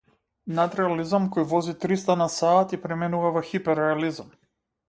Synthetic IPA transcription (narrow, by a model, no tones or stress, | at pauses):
nat̪ɾɛalizamkɔjvɔzit̪ɾist̪anasaːt̪ipɾɛmɛnuvavɔxipɛɾɛalizam